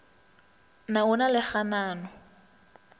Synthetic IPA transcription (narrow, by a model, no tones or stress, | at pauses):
naʊnalɪχanaːnɔ